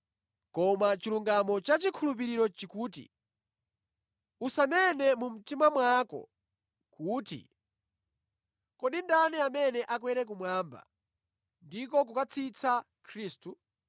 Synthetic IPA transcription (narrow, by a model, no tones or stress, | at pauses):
kɔmat͡ʃiluŋɡamɔt͡ʃat͡ʃikʰulup̬iɾiɾɔt͡ʃikuːtḭ | usanɛnɛmum̩timamwakɔ̰ | kuːtḭ | kɔɗindanɛamɛnɛʔakwɛɾɛk̬umwaːmba̰ | ndikɔk̬ukat͡sʰit͡sʰa | kʰɾiːstu